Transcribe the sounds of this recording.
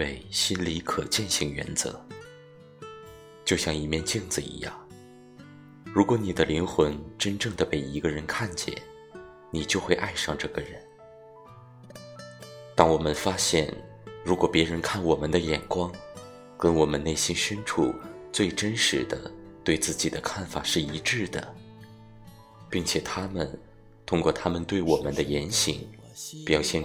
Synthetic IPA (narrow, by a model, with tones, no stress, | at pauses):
e˥˩ɪɕi˥nli˧˥kʰɤ˨˩t͡ɕjɛ˥˧nɕi˧˥˩ŋɥɛ̰˧˥nt͡sɤ̰˧˥ | t͡ɕjo˥˧ʊɕjɑ˥˩ŋi˨˩mjɛ˥˧nt͡ɕi˥˩ŋd͡zɹ̩˨˩ḭ˧˥jɑ̰˥˩ŋ | ɻu˧˥kwɔ˧˥ni˨˩d̪ə˦li˧˥ŋxwə˧˥nʈ͡ʂə˥nʈ͡ʂɤ˥˩ŋd̪ə˩pe˥˩ɪi˧˥ɡə˧ɻə˧˥nkʰa˥˩nt͡ɕjɛ̰˥˩n | ni˨˩t͡ɕjo˥˧ʊxwe˥˧ɪʔa˥˧ɪʂɑ˥˧ŋʈ͡ʂɤ˥˩ɡə˩ɻə˧˥˦n | t̪ɑ˥ŋwɔ˨˩mə˦nfa˥ɕjɛ̰˥˩n | ɻu˧˥kwɔ˨˩pjɛ˧˥ɻə˧˥nkʰa˥˩nwɔ˨˩mə˦nd̪ə˧jɛ˨˩nkwɑ˥ŋ | kə˥nwɔ˨˩mə˦ne˥˩ɪɕi˥nɕɥɛ˥nʈ͡ʂʰṵ˥˩t͡swe˥˩ɪʈ͡ʂə˥nʂɻ̩˧˥d̪ə̰˧t̪we˥˧ɪt͡sɹ̩˥˩t͡ɕi˨˩d̪ə˦kʰa˥˩nfa˨˩ʂɻ̩˥˩i˧˥ʈ͡ʂɻ̩˥˩d̪ə̰˩ | pi˥˩ŋt͡ɕʰjɛ˨˩t̪ʰa˥mə˨n | t̪ʰʊ˥ŋkwɔ˥˧t̪ʰa˥mə˨nt̪we˥˩ɪwɔ˨˩mə˦nd̪ə˧jɛ˧˥nɕi˨˩˦ŋ | pjɑ˨˩ʊɕjɛ˥˩